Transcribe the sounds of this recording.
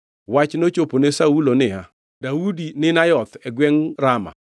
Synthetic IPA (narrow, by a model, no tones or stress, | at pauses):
wat͡ʃnot͡ʃoponesaulonɪa | daudinɪnajɔt̪ɛɡwɛŋɾama̰